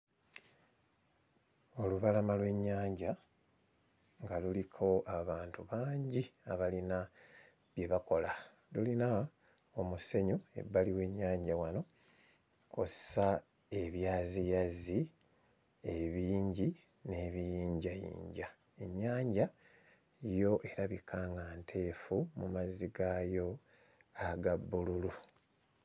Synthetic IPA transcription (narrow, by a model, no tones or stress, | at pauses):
o̞luβalamalwe̞ɲːaːɲɟa | ŋɡalulikʰo̞aβaːntuβaːɲɟiaβalina | βje̞βako̞la | lulina | omuse̞ɲoe̞̰bːaliwe̞ɲːaːɲɟawano̞ | kʰo̞ssa | e̞βjaːzijazi | eβiːɲɟi | ne̞ːβijiːɲɟajḭːɲɟa | e̞ɲːaːɲɟa | ijo̞ʔe̞ɾaβikʰaːŋɡantʰe̞ːfumṵmaziɡajo̞ | aɡabːululu